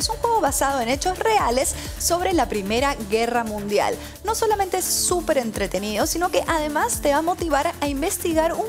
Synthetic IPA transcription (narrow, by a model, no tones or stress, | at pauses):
suŋxweɣo̞βasað̞o̞e̞ne̞t͡ʃo̞sre̞ale̞sː | o̞βɾe̞lapɾime̞ɾaɣe̞ramũnd̪ja̰l | no̞so̞lame̞nt̪eesːupe̞ɾe̞nt̪ɾe̞t̪eniðo̞sino̞ke̞ʔaðe̞mast̪e̞βamo̞t̪iβ̞aɾaimbe̞st̪iɣaɾu